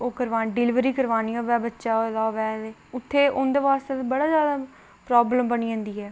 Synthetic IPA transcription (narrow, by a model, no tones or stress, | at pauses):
oːkəɾʋaːɖɪlɪʋɾiːkəɾʋaːniːãːʋɛːbətːʃaːolaːʋɛːeʊt̪ʰːeːʔʊnd̪eːʋaːst̪ebəɽaːzjaːd̪aː | pɾaːbləmbəniːə̃ːnd̪iːɦɛː